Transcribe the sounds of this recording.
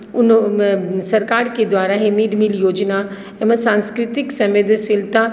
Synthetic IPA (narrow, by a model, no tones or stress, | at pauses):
ʊn | sɐɾkaːɾked̪waːɾaɦemiɖmiljoːd͡ʒna | ɛməsãːnskɾɪt̪ɪksɐ̃mʋeːd̪ʱsɪlt̪a